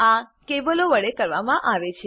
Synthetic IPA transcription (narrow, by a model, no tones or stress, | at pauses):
akeʋəloʋəɭekəɾʋamãʔaʋet͡ʃʰe